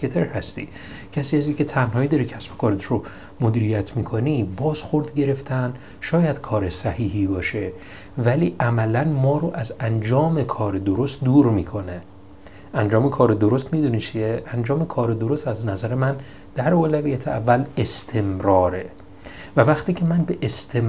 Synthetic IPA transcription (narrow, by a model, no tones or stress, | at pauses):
et̪ʰeɾhæst̪ḭː | cʰæsiːæziːcʲʰe̞t̪ʰænhɒːjid̪ɒɾicʰæsbo̥kʰɒːɾet̪ɾo | mod̪iːɾijæt̪ʰmiːkʰo̞nibɒːz̥xo̞ɾd̪ɟe̞ɾe̞ft̪ʰæn | ʃɒːjæd̪̥kʰɒːɾe̞sæhiːɦibɒːʃe̞ | væliːʔæmælænmɒːɾoʔæzænd͡ʒɒːme̞kʰɒːɾed̪oɾo̞st̪̚d̪uːɾmiːkʰo̞ne | ʔænd͡ʒɒːmekʰɒːɾed̪oɾo̞st̪miːd̪uːnit͡ʃʰieʔænd͡ʒɒːme̞kʰɒːɾed̪o̞ɾost̪æznæzæɾe̞mæn | d̪̥æɾoːlævijæt̪ʰeævːæle̞st̪ʰe̞mɾɒːɾe̞ | vævæχt̪ʰiːcʰe̞mænbe̞ʔest̪ʰem